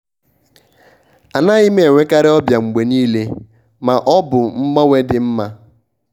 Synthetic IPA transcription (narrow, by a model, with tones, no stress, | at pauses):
a˨na˦ɣi˦me˦˨e˨ŋʷe˦ka˦ɾɪ˦ɔ˦bja˨ŋ͡m̩˨ɡ͡be˨niː˦le˦ | ma˨ʔɔ˦bʊ˨m̩˦mɔ˦ŋʷe˦dɪ˨m̩˦ma˦